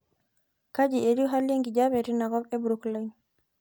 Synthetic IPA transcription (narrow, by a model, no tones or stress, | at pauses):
kad͡ʒieɾiɦaljeŋɡid͡ʒabeɾinaɡɔbɛbuɾuklaɲ